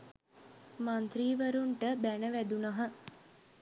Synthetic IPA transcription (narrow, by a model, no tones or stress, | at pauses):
mant̪ɾiːʋəɾuɳʈəbænəʋæd̪unaɦə